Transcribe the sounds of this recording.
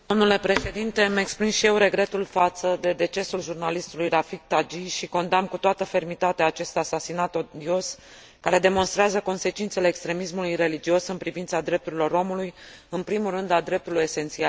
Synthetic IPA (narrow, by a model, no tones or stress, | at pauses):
d̪o̞mnule̞pɾe̞ʃe̞d̪int̪e̞me̞ksplimʃijewɾe̞ɡɾe̞t̪ulfat̪səd̪e̞d̪e̞t͡ʃe̞sulʒurnalist̪ulujɾafik̚t̪ad͡ʒiʃiko̞nd̪amkut̪oat̪əfe̞rmit̪at̪eaːt͡ʃe̞st̪asasinat̪od̪io̞s | kaɾe̞d̪e̞mo̞nst̪ɾeazəko̞nse̞t͡ʃint̪se̞leːkst̪ɾe̞mismulujre̞lid͡ʒio̞sɨnpɾivint̪sad̪ɾe̞p̚t̪uɾilo̞ɾo̞muluj | ɨnpɾimurɨnd̪ad̪ɾe̞p̚t̪uluje̞se̞nt̪sial